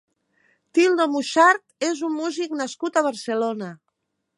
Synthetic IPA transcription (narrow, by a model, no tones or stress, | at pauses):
t̪ilˠd̪omuʃaɾt̪ezumːuziknəskut̪əβ̞əɾsəlonə